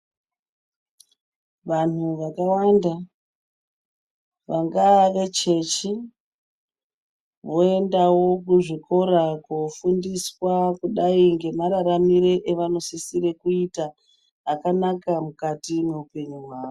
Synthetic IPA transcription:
ʋan̤uʋakawanda | ʋaŋɡaʋe̞t͡ʃe̞t͡ʃi | ʋo̞e̞ndawo̞kuʐiko̞ɾakofundiswakuɗaiŋɡe̞maɾaɾamiɾe̞ʔeʋano̞sisiɾe̞kuitaː | kanakamukatime̞upe̞ɲuwaːʋo

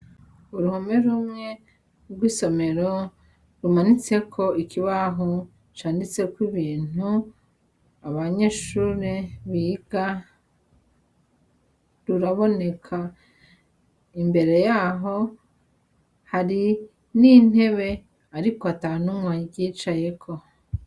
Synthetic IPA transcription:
uɾuhomeɾumŋe̞ | ɾɡwiːso̞me̞ɾo | ɾumanit͡se̞kʰo̞ikiβaɦo | t͡ʃaːndit͡se̞kwiβiːn̥u | aβaɲeːʃuːɾeβiːɡ̥a | ɾuɾaβo̞ne̞kʰa | imbe̞ɾe̞jaːɦo̞ | haɾi | nin̥he̞βe̞ | aɾikoatanumwaɟiːt͡ʃaje̞kʰo̞

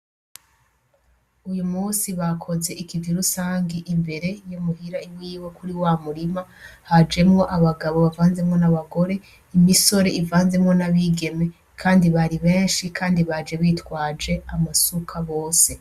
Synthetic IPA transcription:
ujumuːsiβakʰo̞ze̞ʔikivjiɾusaːŋɡiʔimbe̞ɾe̞jomuhiɾaiwiːwe̞kuɾiwamuɾimahad͡ʒe̞mŋo̞ʔaβaɡaβo̞βavaːnze̞mŋo̞naβaɡo̞ɾe̞ | imiso̞ɾe̞ivaːnze̞mŋo̞naβiɡe̞me̞ | kʰaːndiβaɾiβeːnʃikʰaːndiβad͡ʒe̞βiːtwaːd͡ʒe̞amasukʰaβo̞ːse̞

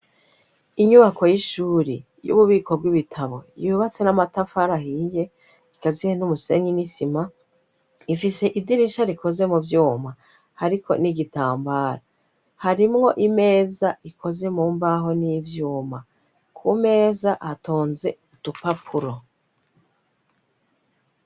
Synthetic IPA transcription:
iɲuβako̞jiʃuːɾi | jṵβuβiːko̞bɡiβitʰaβo̞̰juuβat͡se̞namatafaɾahije̞ | ikazihenumuse̞̰ɲinisima | ifise̞ʔidiɾiʃaɾikʰo̞ze̞mubjuːma | haɾikʰo̞̰niɡitaːmbaːɾa | haɾimŋo̞ʔime̞ːzaikʰo̞ze̞muːmbaɦo̞nivjuːma | kʰume̞ːzaʔatoːnze̞utupapʰuɾo̞

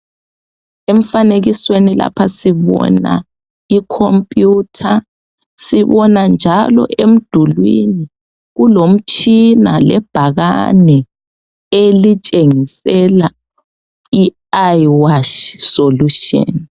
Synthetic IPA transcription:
em̩faneɣiswenila̰pʰasiβɔ̰na̰ | ikʰompʼjutʰa | siβɔnand͡ʒʱalɔ̰ʔem̩d̥ʱulwḭni | ɣulom̩t͡ʃʰʼinalɛb̥ʱaɣa̰nɛ | elit͡ʃʼeŋisɛla | i | ajwaʃsoluʃɔ̰n

